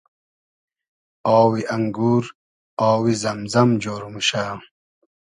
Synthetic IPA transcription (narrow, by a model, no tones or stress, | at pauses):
ɔːwiʔɐŋɡuːɾ | ɔːwizɐmzɐmd͡ʑoːɾumuɕaː